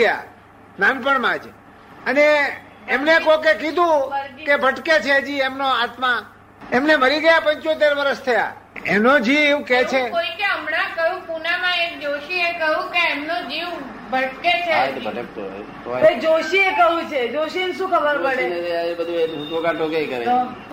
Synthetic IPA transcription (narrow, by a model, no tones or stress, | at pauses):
ja̰ | nanpəɳmãd͡ʒ | əneː | mnekokekid̪ʱũkebʱəʈket͡ʃʰed͡ʒiemnoat̪mã | emneməɾiɡəjapəɲt͡ʃot̪̬eɾʋəɾəʃt̪ʰəja̰ | enod͡ʒiʋket͡ʃʰeoikeəmnakəjũpunamãek̚d͡ʒoʃiekəjũkeːmnod͡ʒiʋ | bʱəʈket͡ʃʰet̪bʱəʈəkt̪o̰ | ed͡ʒoʃiekəɦũt͡ʃʰed͡ʒoʃienʃũkʰəbəɾpəɽeabəd̪ʱuetokãʈokejkəɾḛ